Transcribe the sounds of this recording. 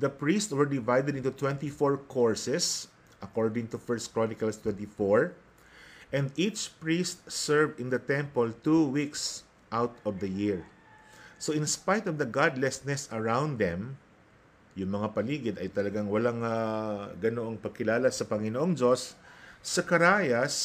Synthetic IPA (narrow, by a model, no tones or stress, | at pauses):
d̪ɐpɹist̪swɛɹd̪ɪvajd̪ɛd̪ɪ̃nt̪ut̪wɛ̃nt̪ifoɹkʰoɹsɛs | ʔɐkoɹd̪ɪ̃ŋt̪ʊfɛɹst̪̚kɹonɪkɐlst̪wɛnt̪ifoɹ | ʔɛ̃nd̪it͡ʃpɹist̪̚sɛɹvd̪ɪ̃nd̪ɐt̪ɛ̃mpɔlt̪uwiks | ʔawt̪ɔvd̪ɐjiɹ | soʔɪ̃nspajt̪ɔvd̪ɐɡad̪lɛsnɛsɐɹãw̃nd̪ɛ̃m | jʊŋmɐŋapɐliːɡɪd̪ɐjt̪ɐlɐɡaŋwɐlaŋaɡɐnoʔoŋpɐɡ̚kɪlaːlɐsɐpɐŋɪnoʔoŋd͡ʒosː | ɐkɐɾajɐs